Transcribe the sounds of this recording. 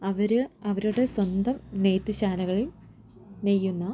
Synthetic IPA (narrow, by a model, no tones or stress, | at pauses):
ɐʋɐɾɐʋɐɾuɽe̞swɐnd̪ɐmneːt̪ːɨɕaːlɐɣɐɭi | nejːunːɐ